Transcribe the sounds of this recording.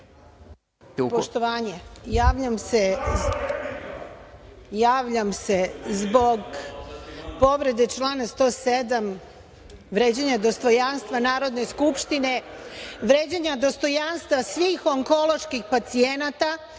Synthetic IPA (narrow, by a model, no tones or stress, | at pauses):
poʃt̪oʋaːɲejaːʋʎamse | jaːʋʎamsezbo̞ɡ | po̞ʋɾe̞d̪e̞t͡ʃlˠaːnast̪o̞ːsed̪am | ʋɾeːd͡ʑeɲad̪o̞st̪o̞janst̪ʋanaːɾo̞d̪ne̞skupʃt̪ine̞ʋɾeːd͡ʑaɲad̪o̞st̪o̞janst̪ʋasʋiːxoŋko̞lo̞ʃkixpat̪sienat̪a